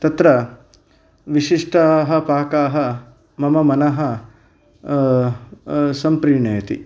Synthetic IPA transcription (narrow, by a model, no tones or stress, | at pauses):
t̪ɐt̪ɾɐ | ʋiʃiʂʈaɦɐ̆paːkaːɦɐ | mɐmɐmɐnɐɦɐ | sɐmpɾiːɳeːɐt̪ḭ